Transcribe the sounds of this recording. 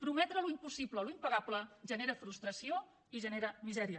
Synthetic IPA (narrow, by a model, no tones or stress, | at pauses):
pɾumɛt̪ɾəluimpusibləluimpəɣapləʒəneɾəfɾust̪ɾəsio | iʒəneɾəmizɛɾiə